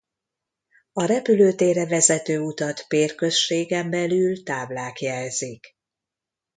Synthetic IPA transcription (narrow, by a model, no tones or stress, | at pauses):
ɒɾɛpyløːt̪eːɾɛvɛzɛt̪øːut̪ɒt̪peːrkø̞sʃeːɡɛmbɛlylt̪aːblaːkjɛlzik